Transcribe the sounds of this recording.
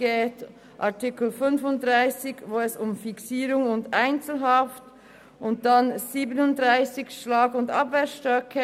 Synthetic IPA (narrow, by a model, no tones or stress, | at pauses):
eːt | ʔɑʁtɪkl̩fʏnfʊntd̥ʁaɪsɪçvoːɛsʊmfɪksiːɾʊŋʊndaɪnt͡sl̩ɦɑft | ʔʊnt̚d̥anz̥iːbənʊndʁaɪsɪçʃlaːɡʊndɑbveːsʃtʁœkʰə